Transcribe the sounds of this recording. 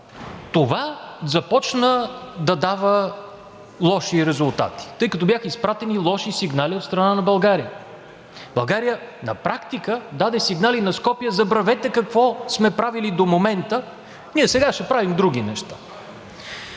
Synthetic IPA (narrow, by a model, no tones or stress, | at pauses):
t̪ovazɐpɔt͡ʃnəd̪ɐd̪avə | lˠɔʃiɾɛzʊlˠt̪a̰t̪i̥t̪ɤjkɐt̪ɔbjaxəispɾat̪ɛnilˠɔʃisiɡnaliot̪st̪ɾɐnanɐbɐlˠɡaɾiə | b̥ɐlˠɡaɾijənɐ̰pɾakt̪ikəd̪ad̪ɛsiɡnalinɐskɔpijəzɐbɾɐvɛt̪ɛkɐkvɔsmɛpɾavilid̪omomɛnt̪ə | niɛsɛɡaʃɛpɾavimd̪ɾuɡʲinɛʃt̪ḁ